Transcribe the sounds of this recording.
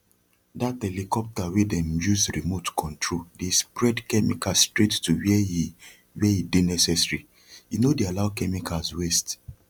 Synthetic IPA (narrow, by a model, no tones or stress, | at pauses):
dathɛlikɔp̚tawedɛ̃mjuzɹimotkʰɔ̃ntʰɹoldespɹɛdkɛmḭkastɹettuwɛ | weidenɛsɛsɹi | jinodealaʊkɛmikazwest